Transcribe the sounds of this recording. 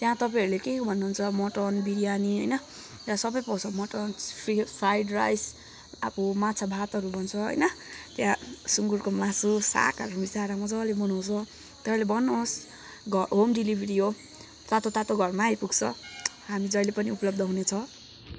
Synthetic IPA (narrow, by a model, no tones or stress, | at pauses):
t̪jãt̪ʌpajɦʌɾulekekbʱʌnːuɦunt͡sʰʌmʌʈʌnbiɾijaniɦʌjnʌ | t̪jãsʌbʌjpʌt͡sʰʌmʌʈonpʰipʰrajɖra̰js | a̰pumat͡sʰabʱat̪ʌɾubʱʌnt͡sʰʌɦʌ̰jnʌt̪jãsuŋɡuɾkomasusa̰kaɾubisaɾamʌd͡zʌlebʌnaw̃t͡sʰʌ | t̪ʌalebʌnːos | ɡʱʌɦomɖilibʱiɾio | t̪at̪ot̪at̪oɡʱʌrmajpuɡt͡sʰʌ | ɦamid͡zʌjlepʌniupʌlʌb̚d̪ʱʌɦunet͡sʰʌ